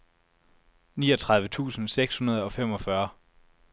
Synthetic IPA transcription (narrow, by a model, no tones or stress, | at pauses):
niːɒ̽t͡sʰʁɑðˠʋət͡sʰṵːsn̩seɡ̥shunɐð̞ˠɒ̽fem̰ɒ̽fɶɐ